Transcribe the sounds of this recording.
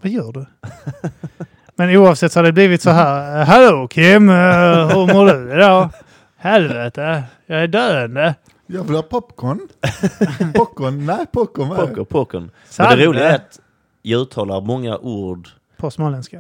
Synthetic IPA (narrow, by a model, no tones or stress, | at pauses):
vajœːɖɵ | mɛnuːɑːvsɛt̪ːhaɖɛbliːvɪt̪sɔɦæːɾɦɛlokʰɪmɦɵɾmʊːɖɵd̪oː | hɛlvɛt̪ʰəjɑɡæɖøːənd̪ə | jɑːvɪlhɑːpʰɔpkɔn | pɔkːɔnnɛpʰɔkɔnɔkːɔpʰɔkːɔ̰n | sdɛɾuːlɪɡat̪ | jaʉ̟ːt̪ʰːɑːlaɾmɔŋːa̰ʔuːɖ | pʰɔsmoːlɛnska